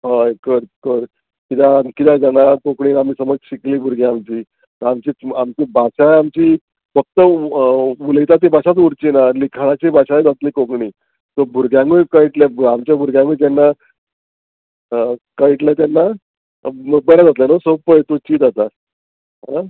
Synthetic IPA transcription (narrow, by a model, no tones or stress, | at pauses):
ɦakəɾkəɾ | kit̪akit̪ãd͡zanakokɳiːam̤iːsəməd͡zɕikliːbʱuɾɡeamt͡ɕiː | t̪əamt͡ɕiːamt͡ɕiːbʱaɕaamt͡ɕiː | fək̚t̪ə | ulɡit̪at̪ibʱaɕat̪uɾt͡ɕiːnalikʰaɭ̃at͡ɕibʱaɕajd͡zat̪liːkokɳiː | t̪əbʱuɾɡjãŋujkaiʈlabamt͡ɕjabʱuɾɡjãŋujt̪̬anːa | kaiʈlat̪janːa | bəɾad͡zat̪lanosopət̪ut͡ɕiːd͡z̪at̪a | ɦa